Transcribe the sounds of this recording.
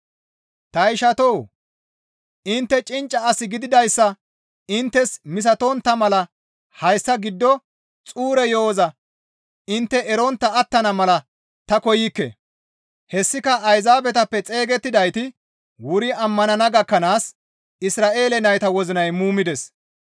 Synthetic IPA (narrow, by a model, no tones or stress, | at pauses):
t̪ɐjʃɐt̪ow | ʔɪnt̪ːɛt͡ʃʼɪnt͡ʃʼːɐːsɪɡɪd̪ɪd̪ɐjsːɐ | ɪnt̪ːɛsmɪs̬ɐt̪ont̪ːɐmɐlɐ | hɐjsːɐɡɪd̪ːɔ | t͡sʼuːɾɛjo̞ːzɐ | ɪnt̪ːɛʔɛɾɔnt̪ːɐːt̪ːɐnɐmɐlɐ | t̪ɐkɔjɪkːɛ̰ | hɛsːɪkɐʔɐjzaːbɛt̪ɐpːɛt͡sʼe̞ːɡɛt̪ːɪd̪ɐjt̪ɪ | wʊɾɪɐmːɐnɐnɐɡɐkːɐnaːs | ɪsɾaːʔe̞ːlɛnɐjt̪ɐwɔzɪnɐjmuːmɪd̪ɛs